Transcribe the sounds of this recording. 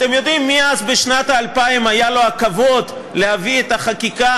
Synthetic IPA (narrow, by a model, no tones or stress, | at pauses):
at̪e̞mjo̞d̪imːiazbeʃnat̪aːlpaimajalo̞akavo̞d̪ | lehaviet̪aχakika